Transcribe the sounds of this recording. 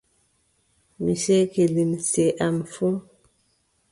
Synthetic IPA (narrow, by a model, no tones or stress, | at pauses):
misɛkelinsɛʔamfu